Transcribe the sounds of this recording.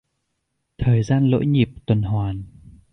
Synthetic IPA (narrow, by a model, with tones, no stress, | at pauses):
t̪ʰəː˨˩jzaː˧nlo̰˧˥jŋi˨˩əp̚t̪wə˨˩nɦwaː˨˩n